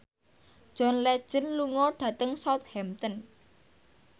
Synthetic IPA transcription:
ʒ̥ɔ̤nlɛd̥ʒ̥ə̤nluŋɔɖ̥ä̤t̪əŋsat̪̚hɛmt̪ən

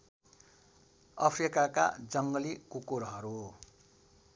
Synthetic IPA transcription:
ʌpʰrikaka̰d͡zʌŋɡʌlikukoɾɦʌɾu

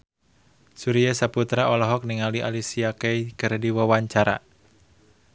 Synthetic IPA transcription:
suɾijasaput̪ɾaʔolɔɦɔk̚niŋaliʔalisiakejkɨrdiwəwaɲt͡ʃaɾa̰

